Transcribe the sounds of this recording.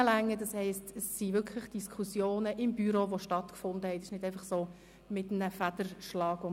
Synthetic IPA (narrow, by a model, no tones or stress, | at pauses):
əlæŋːədɑshɛɪstəsːiʋʏɾkʰləχd̥iskʰχusjoːnəʔɪmbyɾoʋoʃtɑtkfʊnd̪əhɛtɪʃnɪdɛɪfɑχsoː | mɪt̩ːəfæd̥əɾʃlɑːɡʊ